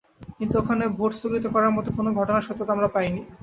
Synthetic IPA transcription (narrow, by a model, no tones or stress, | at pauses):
kint̪uokʰanebʱoʈsoɡit̪okɔɾaɾmɔt̪okonoɡʱɔʈonaɾʃɔt̪ːot̪amɾapajni